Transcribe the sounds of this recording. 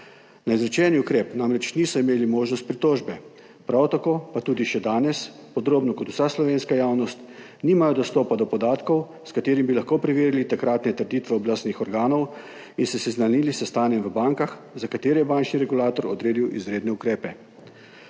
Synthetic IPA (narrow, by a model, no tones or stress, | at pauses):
naizɾɛt͡ʃɛːniukɾeːpnamɾɛt͡ʃniːsɔimeːlimoːʒnɔst̪̚pɾit̪oːʒbɛ | pɾawt̪akoːpat̪uːd̪iʃɛd̪aːnɛspɔd̪ɾoːbnɔkɔt̪u̥saslɔʋeːnskajaːwnɔst̪ | niːmajɔd̪ɔst̪ɔːpad̪ɔpɔd̪aːt̪kɔw | skat̪eːɾimbilaxkopɾɛʋeːɾilit̪akɾat̪nɛt̪əɾd̪iːt̪ʋɛɔblast̪nixɔɾɡaːnɔw | insɛsɛznanilisɛst̪aːnjɛmʋəbaŋkaxzakat̪eːɾɛjɛbaːnt͡ʃniɾɛɡulaːt̪ɔɾɔ̰d̪ɾeːd̪iwʔḭzɾeːd̪nɛukɾeːpɛ